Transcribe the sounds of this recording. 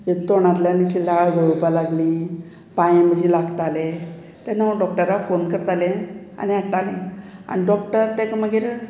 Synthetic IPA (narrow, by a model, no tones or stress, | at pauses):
jet̪ːoɳ̃at̪laniɕilaɭɡʱəɭupalaɡliː | pãjeməd͡ʑilaɡt̪ale | t̪anaɖɔk̚ʈəɾafonkəɾt̪alẽa̰niaʈːalẽa̰niɖɔkʈəɾt̪ɛkməɡeɾ